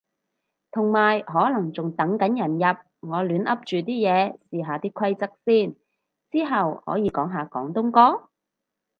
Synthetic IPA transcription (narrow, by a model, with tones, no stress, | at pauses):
t̪ʰʊ˨˩ŋmaː˨˩jɦɔː˨˥lɐ˨˩ŋt͡sʊ˨ŋt̪ɐ˨˥ŋkɐ˨˥njɐ˨˩njɐ˨p̚ŋɔː˨˧lyː˨˧nʔɐ˥p̚t͡ʃyː˨˩t̪iː˥jɛː˨˧siː˨ɦaː˨t̪iː˥kʰwɐ˥jt͡sɐ˥k̚siː˥˩n | t͡siː˥ɦɐ˨whɔ̰ː˨˥jiː˨˧kɔː˨˥ŋɦaː˨kɔː˨˥ŋt̪ʊ˥ŋkɔː˥